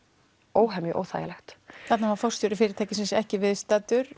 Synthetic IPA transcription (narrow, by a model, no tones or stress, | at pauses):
oːwɦɛmʏʔo̰ːwθa̰ja̰lɛxt̪θɛt̪navaɾfɔ̥st̪joːɾɪfɪːɾɪɾt̪ʰajcɪsɪnsɛhcɪvɪðst̪ɛːt̪ʏɾ̥